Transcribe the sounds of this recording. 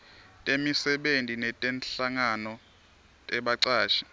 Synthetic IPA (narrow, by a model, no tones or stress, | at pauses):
tʼemisɛɓentʼinɛtʼɛnɬaŋanɔ | tʼɛɓaǀaːʃi̥